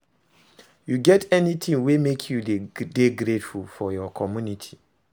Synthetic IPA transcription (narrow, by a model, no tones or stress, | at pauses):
juɡɛtɛnit̪ʰɪ̃ŋwemekʰjudedeɡɾetfulˠfɔjɔkʰɔmjũnitʰi̥